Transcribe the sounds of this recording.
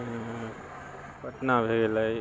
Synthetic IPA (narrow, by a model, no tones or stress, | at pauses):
pəʈnabʱeɡeləj